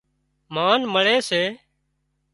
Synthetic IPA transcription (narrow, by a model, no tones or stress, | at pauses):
maːnməɭeːseː